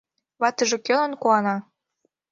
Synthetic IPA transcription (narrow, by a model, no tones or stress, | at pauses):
βɑt̪ə̆ʒĕkølə̆nkuɑnɑ